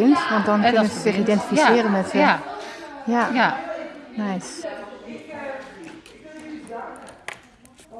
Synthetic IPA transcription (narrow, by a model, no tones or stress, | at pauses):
ɪntʋɑntdɔnkɵnənsəzɪχidɛntifisɪːrənmɛthə | ja | najs